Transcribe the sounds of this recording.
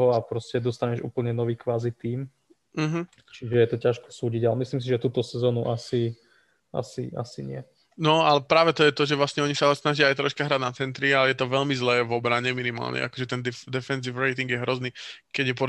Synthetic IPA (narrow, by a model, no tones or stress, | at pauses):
ɔapɾɔscɛd̪ɔst̪aɲɛʒṵːpl̩ɲɛnɔʋiːkʋaːzit̪iːm | m̩ɦm̩ | t͡ʃiʒɛjɛt̪ɔcaʃkɔ̥suːɟiɟalɛmisliːms̬iʒɛt̪uːt̪ɔsɛzɔːnuʔasi | ʔa̰sḭʔa̰sḭɲɪɛ̰ | nɔalɛpɾaːʋɛt̪ɔjɛt̪ɔʒɛʋlasɲɛɔɲisalɛsnaʒɪaːjt̪ɾɔʃkaɦɾaɟnat͡sɛnt̪ɾialɛjɛt̪ɔʋɛʎmizlɛːʋɔbɾaɲɛminima̰ːlɲʔɛ̰ʔa̰kɔʒɛt̪ɛnd̪ɛfd̪ɛfɛnz̬ifɾɛjt̪iŋɡjɛɦɾɔzniː | kɛɟjɛpɔ